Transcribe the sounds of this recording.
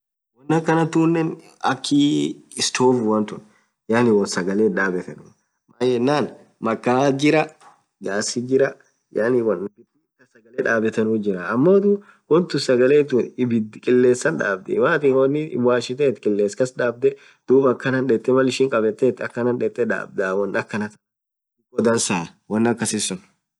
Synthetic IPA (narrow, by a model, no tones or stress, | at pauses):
wɔnːɐkːɐnɐt̪uːnːɛn | ɐ̰kʰːiɪst̪ʰoːfʊwɐnt̪ʊn | jaːnɪwɔnsɐɡɐleːᶑaːbɛt̪ɐnuː | majɛnːaːn | mɐkːaːd͡ʒɪɾɐ | ɡaːsid͡ʒɪɾɐ | jaːnɪwɐnbɪt̪ukːɐsɐɡɐleːᶑaːbɛt̪ɐnuːd͡ʒɪɾaɐmːo̞ːt̪u | wɔnt̪ʊsɐɡɐleːt̪uɪbɪd̪kʼɪlːe̞ːsːɐnᶑa̰ːbd̪ɛ̰waːt̪iːnwɔnːɪwaːʃɪt̪eːt̪kʼɪlːeːskɐsᶑaːb̚d̪ɛ | d̪̥uːbɐkːɐnɐnᶑɛt̪ʼːɛmɐlɪʃɪŋkʼɐbɛt̪ːeːt̪ɐkːɐnɐnᶑɛt̪ʼːɛᶑa̰ːb̚d̪aːwɔnːɐkːɐnɐt̪ɐ̥ | ɡɔd̪ɐnsaː | wɐnːɐkːɐsɪsʊn